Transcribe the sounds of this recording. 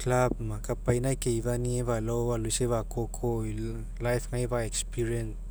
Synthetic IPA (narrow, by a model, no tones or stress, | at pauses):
klab̚makapajnakeibanieβalowbalujseβakokʰoj | lajfʰŋajbaekspiɾiens